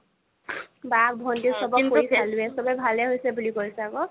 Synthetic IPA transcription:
bak̚bʱɔndisɔbɔkoisalʊɛsɔbɛbʱalɛɦojsɛbulikoɹisɛakɔ

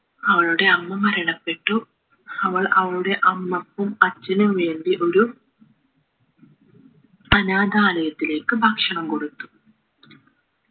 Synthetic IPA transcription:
ɐʋɐɭuɽe̞ɐmːɐmɐɾɐɳɐpːe̞ʈːu | ɐʋɐɭɐʋɐɭuɽe̞ʔɐmːɐpːumɐt͡ɕːɐnumʋe̞ːɳɖiʔo̞ɾu | ɐnaːd̪ʱaːlɐjɐt̪ːile̞ːkːɨbʱaːkʂɐɳɐmko̞ɽut̪ːu̥

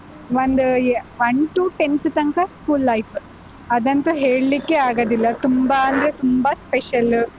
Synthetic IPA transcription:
ʋɐnd̪uʋɐɳʈuʈent̪t̪ɐŋkɐskuːlːɐjpʰ | ɐd̪ɐnt̪uɦeːɭlikːeaːɡoːd̪ilːɐt̪umbaɐnd̪ɐɾet̪umbɐspeʃɐl

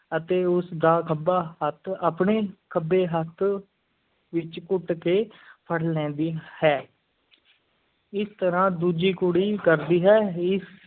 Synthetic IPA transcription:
ət̪eːʊsd̪aːkʰəbaːɦət̪ʰapɳeːkʰəbeːɦət̪ʰ | ʋɪt͡ʃkʊʈkeːpʰəɽlɛ̃ːd̪iːhɛː | ɪst̪əɾãːd̪uːd͡ʒiːkʊɽiːkəɾd̪iːɦɛːɪs

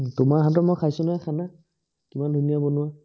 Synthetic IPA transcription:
tʊmaɹɦatɔmɔkʰajsʊnaakʰana | kimandʱunijabonʊwa

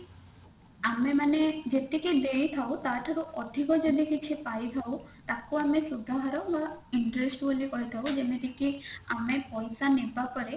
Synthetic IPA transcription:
amemaned͡ʒet̪ikid̪ejt̪ʰawt̪aʈ̪ʰaɾuɔd̪ʱikɔd͡ʒed̪ikikʰipajt̪ʰawt̪akuamesudʱaɦaɾɔbaiɳʈɾesʈbulikɔɦjt̪ʰawd͡ʒemet̪ikia̰mepɔjsanebapɔɾe

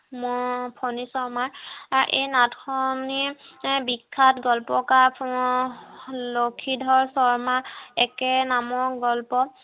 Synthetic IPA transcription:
mɔpʰɔnisɔɹmaɹaɹʔḛjnatkʰɔnibikʰːatɡɔlpɔkapʰ | lokʰidʱɔɹsɔɹmaɛkɛnamɔk̚ɡɔlpɔ

